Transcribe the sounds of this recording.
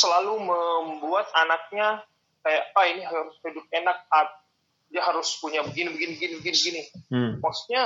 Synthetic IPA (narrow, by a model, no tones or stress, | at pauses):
səlaluməmbuat̪̚anak̚ɲa | kajaʔpainiɦaɾʊsidʊp̚enak̚hat̪̚ | diaɦaɾʊspuɲabəɡinibəɡinibəɡinibəɡinibəɡinikɔsɲa